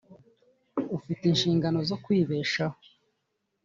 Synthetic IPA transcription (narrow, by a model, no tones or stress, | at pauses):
ufitinʃiːŋɡano̞zo̞kwiːβe̞ːʃaho